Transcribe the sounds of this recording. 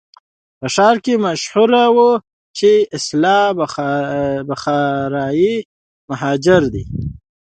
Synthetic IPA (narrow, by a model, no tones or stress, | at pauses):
pəʃɑɾkemaʃhuɾawu | t͡ʃeɪslɑb | baxɑɾɑji | maɦɑd͡ʒɪɾd̪i